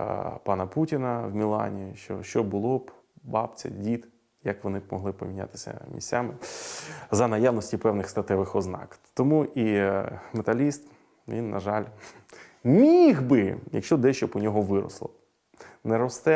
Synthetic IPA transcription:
pɑnɐputʲinɐwmʲilˠɑ̰nʲijiʃt͡ʃɔ̰ʃt͡ʃɔbʊlˠɔb | bɑpt͡sʲɐ̰dʲit̪ | jɐkʋɔnɪbmɔɦlˠɪpɔmʲinʲa̰t̪ɪ̥sʲɐ̰mʲḭsʲt͡sʲamɪ | zɐnɐjaʋnɔsʲtʲipɛwnɪxst̪ɐt̪ɛʋɪxɔznɑ̰kt̪ɔmuʔimet̪ɐlʲist̪ | ʋʲinːɐ̰ʒɑlʲ | mʲiɣbɪjɐ̰kʃt͡ʃɔd̪ɛʃt͡ʃɔpɔnʲɔɦɔʋɪɾɔ̰slˠɔ | nɛɾɔst̪ɛ

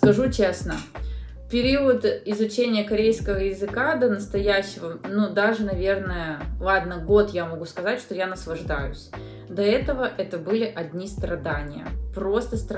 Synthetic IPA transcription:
skɐʐut͡ɕesnə | pʲɪɾʲiʊt̪ɪzʊt͡ɕenʲɪjəkɐɾʲejskəvəjɪzɨkad̪ənəst̪ɐjæɕːɪvənud̪aʐɨnɐvʲe̞rnəjəlˠad̪nəɡot̪jamɐɡuskɐzatʲʂt̪ojanəslˠɐʐd̪ajʊ̰sʲ | d̪ɐɛt̪əvəʔɛt̪əbɨlʲɪʔɐdʲnʲist̪ɾɐd̪anʲɪjə̰pɾo̞st̪əst̪

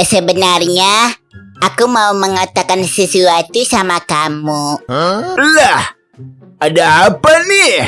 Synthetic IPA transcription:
səbənarɲa | ʔakumauməŋat̪akansisuat̪isamakamu | lah | adaɦapani

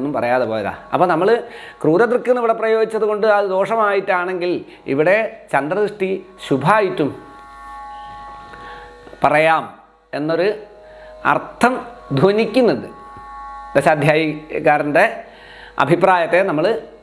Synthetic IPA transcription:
nːumpɐrɐjaːðɨpoːjɐða̰ːɐpːoːnɐmːɐɭɨkruːɾɐd̪rkːɨnːɐiʋiɽe̞prɐjo̞ːɡit͡ɕːɐðuko̞ɳɖɨɐðɨd̪o̞ːʂɐmaːjitːaːɳe̞ŋɡil | ḭʋiɽe̞t͡ɕɐnd̪rɐðɨʂʈiɕubʱaːjitːum | pɐrɐjaːm | e̞nːo̞ɾu | ɐ̰rt̪ʰːɐmd̪ʱonikʲːunːɐðɨ | d̪ɐɕaːd̪ʱjaːjikːaːɾɐnɖe̞ | ɐ̰bʱipraːjɐt̪ːe̞nɐmːɐɭ

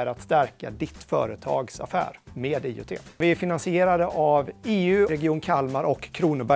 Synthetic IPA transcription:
ɾat̪st̪æɾka̰d̪ɪt̪fœ̰ːɾət̪ʰɑ̰ːɡsa̰fæ̰ːɾmeːd̪ḭːʉ̰t̪ʰḛːvɪæɾfɪnansɪeːɾad̪əʔaveːʉ̟ːɾɛɡɪuːnkʰalmaɾʔɔkʰːɾuːnəbæ

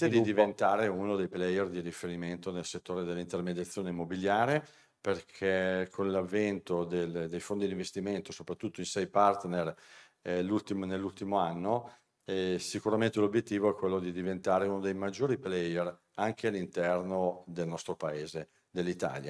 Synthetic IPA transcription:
t̪ed̪id̪ivent̪aːɾeunod̪ejplɛjerd̪iɾifeɾiment̪onelset̪ːoːɾed̪elːint̪ermed̪jat̪sːjoːneimːobiljaːɾe | perkʰɛkʰonlavːɛnt̪od̪eld̪ejfond̪id̪ĩɱvest̪iment̪osopɾat̪ːut̪ːoinsɛjpart̪ner | lːult̪imnelːult̪imoanːo | ɛsikuɾament̪elobjet̪ːiːvoɛkːwelːod̪id̪ivent̪aːɾeunod̪ejmad͡ʒːoːɾiplɛjer | aŋk̟ealːint̪ɛrnod̪elnɔst̪ɾopaeːze | d̪elːit̪a̰ːlja̰

